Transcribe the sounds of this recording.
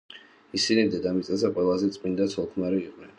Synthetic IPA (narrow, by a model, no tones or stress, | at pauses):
isinid̪ɛd̪amit̪sʼɛzɛqʼwɛlˠazɛt̪sʼmind̪at̪sʰɔlˠkʰmaɾiːqʼnɛn